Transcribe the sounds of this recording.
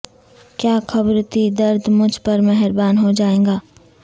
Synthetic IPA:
kjaːxɐbɾt̪id̪ɐɾd̪mʊd͡ʒʱpɐɾmɛɦɛɾbaːnɦod͡ʒaːẽːɡaː

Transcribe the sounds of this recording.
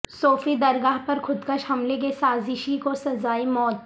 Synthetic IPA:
soːfid̪ɐɾɡaːɦpɐɾxʰʊd̪kɐʃhɐmlek̬esaːzɪʃikosɐzaːimɔːt̪

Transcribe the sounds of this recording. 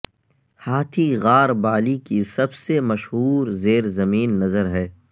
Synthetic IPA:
haːt̪ʰiɣaːɾbaːlikisɐbsemɐʃɦuːɾzeːɾzɐmiːnːɐzəɾɦɛː

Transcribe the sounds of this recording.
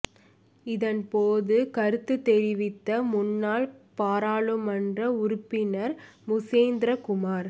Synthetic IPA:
ɪðɐnpoːðɯkɐɾɯt̪ːɯt̪ːɛɾɪʋɪt̪ːɐmʊnːaːɭpaːɾaːɭɯmɐndrɐʊɾʊpːɪnɐɾ | mʊseːnd̪ɾɐkʊmaːɾ

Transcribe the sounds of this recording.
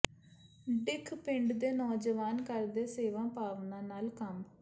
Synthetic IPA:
ɖɪkʰpɪɳɖd̪eːnɔːd͡ʒəʋaːnkəɾd̪eːseːʋãːpaːʋnãːnaːlkəm

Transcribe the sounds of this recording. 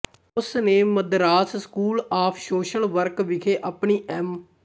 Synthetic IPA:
ʊsnẽːməd̪ɾaːsskuːlaːpʰʃoːʃəlʋəɾkʋɪkʰeːʔapɳiːʔɛm

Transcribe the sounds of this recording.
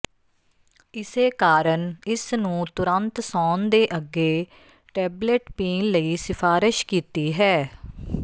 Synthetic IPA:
ɪseːkaːɾənɪsnũːt̪ʊɾənt̪sɔːnd̪eːʔəɡeː | ʈɛːbleʈpiːnləiːsɪpʰaːɾɪʃkiːt̪iːɦɛː

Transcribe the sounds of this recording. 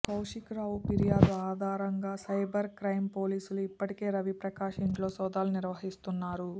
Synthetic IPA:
kɐwʂikɾaːwupiɾijaːd̪uaːd̪ʱaːɾɐŋɡaːsɐjbɐɾkɾɐjmpo̞ːliːsuluipːɐʈike̞ːɾɐʋipɾɐkaːʂiɳʈlo̞ːsɔːd̪aːluniɾʋɐɦist̪unːaːɾu

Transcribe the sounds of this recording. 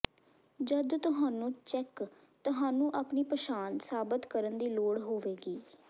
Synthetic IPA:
d͡ʒəd̪t̪ʊɦaːnũːt͡ʃɛk | t̪ʊɦaːnũːʔaːpniːpəʃaːnsaːbət̪kəɾənd̪iːloːɽɦoːʋeːɡiː

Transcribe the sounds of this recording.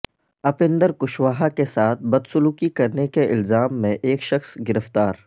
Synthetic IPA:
ɐpɪ̃nd̪əɾkʊʃwaːɦakesaːt̪̚ʰbɐd̪sʊluːkikɐɾnekeʔɪlzaːmːẽʔeːkʃɐxsɡɪɾəft̪aːɾ

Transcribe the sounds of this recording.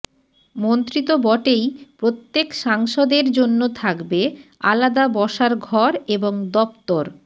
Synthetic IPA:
mont̪ɾit̪obɔʈejpɾot̪ːekʃaŋʃod̪eɾd͡ʑonːot̪ʰakbea̰lad̪abɔʃaɾɡʱɔɾeboŋd̪ɔpt̪oɾ

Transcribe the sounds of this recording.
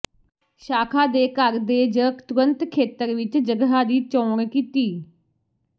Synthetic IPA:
ʃaːkʰaːd̪eːkəɾd̪eːd͡ʒəkt̪ʊɾənt̪kʰeːt̪əɾʋɪt͡ʃd͡ʒəɡɦaːd̪iːt͡ʃɔ̃ːɾkiːt̪iː

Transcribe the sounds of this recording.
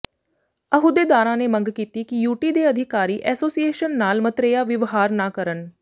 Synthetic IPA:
əɦʊd̪eːd̪aːɾãːneːməŋɡkiːt̪iːkɪjuːʈiːd̪eːəd̪ʱɪkaːɾiːʔɛːsoːsieːʃənːaːlmət̪ɾeːjaːʋɪʋɦaːɾnãːkəɾən

